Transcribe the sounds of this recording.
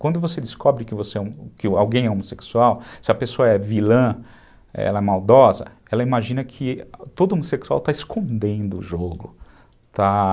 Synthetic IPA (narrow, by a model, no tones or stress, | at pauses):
kwɐ̃nd̪ʊvosed͡ʒ̪ɪskɔbɾɪkɪvoseɛkɪawɡẽj̃ɛomoseksuawsɪɐpesoɐɛvilɐ̃ | ɛ̰lɐɛmawd̪ɔzɐ̰ | ɛlɐimaʒĩnɐkʰɪt̪od̪ʊomoseksua̰wt̪aɪskʰõnd̪ẽnd̪ʊʊʒoɡʊ | t̪a